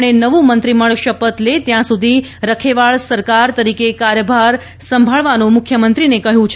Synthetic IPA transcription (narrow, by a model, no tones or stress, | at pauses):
enəʋũmənt̪ɾiməɭʃəpət̪let̪jãsud̪ʱiɾəkʰeʋaɭsəɾkaɾt̪əɾikekaɾjəbʱaɾ | sə̃mbʱaɭʋanũmʊkʰjəmənt̪ɾinekəɦjũt͡ʃʰ